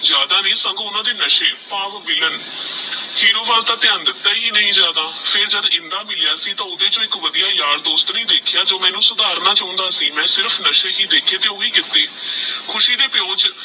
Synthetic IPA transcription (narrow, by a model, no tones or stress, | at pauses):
d͡ʒjaːd̪aːnẽːsə̃ŋɡʊnãːd̪eːnəʃeːpaːʋʋɪlən | hiːɾoːʋaːlt̪aːt̪ɪənd̪t̪əiːnəĩːzjaːd̪aːpʰɪɾd͡ʒəd̪ɪ̃nd̪aːmɪlɪjaːsiːt̪ãːʊd̪eːd͡ʒõːɪkʋəd̪ijaːjaːɾd̪oːst̪nĩːd̪eːkʰɪjaːd͡ʒoːmɛːnũːsʊd̪aːɾnãːt͡ʃõːnd̪aːsiːmɛ̃ːsɪɾpʰnəʃeːɦiːd̪eːkʰeːt̪eːoːiːkɪt̪ːeːkʰʊʃiːd̪eːpɪjõːt͡ʃ